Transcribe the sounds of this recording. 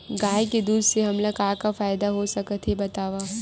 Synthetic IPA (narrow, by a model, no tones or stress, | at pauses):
ɡaːjked̪uːd̪ʱseɦɐmlɐɡaːkafaːjd̪aɦosɐkət̪ʰɦebɐt̪aːʋaː